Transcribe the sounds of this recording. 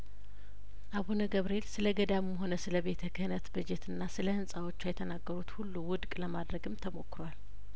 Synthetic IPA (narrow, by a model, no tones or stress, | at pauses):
ʔaβonəɡəβɾe̞lsɨləɡəd̪ammɦo̞nəsɨləβe̞t̪ʰəkʰəhɨnət̪bɨd͡ʒet̪ʰɨnːasɨləhɨnsʼawo̞t͡ʃːajɛt̪ʰənaɡːəɾut̪hulːuwʊd̪kʼləmad̪ɾəɡɨmt̪ʰəmo̞kːɨɾwal